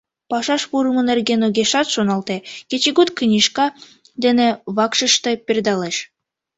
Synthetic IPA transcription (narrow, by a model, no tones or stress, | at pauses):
pɑʃɑʃpuɾɤmɤnerɡʲenuɡʲeʃɑt̪ʃonɑlˠt̪ekʲet͡ɕeɡut̪k̆nʲiʃkɑ | d̪ĕnĕβɑkʃɤ̆ʃt̪ɤ̆pʲerd̪ɑleʃ